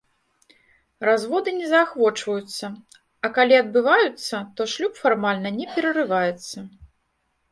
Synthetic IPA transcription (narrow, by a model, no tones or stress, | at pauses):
razvɔd̪ɨnʲɛzaxvɔt͡ʂvɐjut̪sːɐ | ɐkalʲiɐd̪̚bɨvajut̪sːɐt̪ɔʂlʲupfarmalʲnɐnʲɛpʲɛɾɐrɨvajɛt̪sːɐ